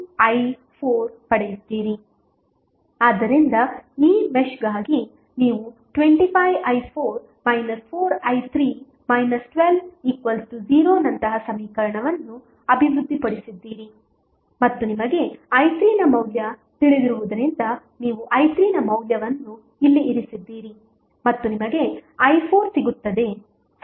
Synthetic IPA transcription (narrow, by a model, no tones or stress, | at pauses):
ɐj | pʰoːɾpɐɽejid̪ːiːɾi | aːd̪ːɐɾind̪ɐiːmeʂɡaːɡi | niːʋuʈʋe̞ɳʈipʰɐjʋɐjpʰoːɾ | mɐjnɐspʰoːɾɐjt̪ʰɾiː | mɐjnɐsʈʋelʋiːkʋɐlsʈuziːɾoːnɐnt̪ɐɦɐsɐmiːkɐɾɐɳɐʋɐnːu | ɐbʱiʋɾud̪ʱːipɐɽisid̪ːiːɾi | mɐt̪ːunimɐɡe̞ɐjt̪ɾiːnɐmɐwljɐt̪iɭid̪iɾuʋud̪ɐɾind̪ɐ | niːʋuʔɐjt̪ɾiːnɐmɐwljɐʋɐnːu | ilːiʔːɾisid̪ːiːɾi | mɐt̪ːunimɐɡe̞ɐjpʰoːɾsiɡut̪ːɐd̪e̞